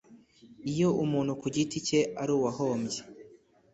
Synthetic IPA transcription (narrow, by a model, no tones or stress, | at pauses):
ijo̞umuːn̥hukuɟitice̞ʔaɾuːwaɦoːmɟe̥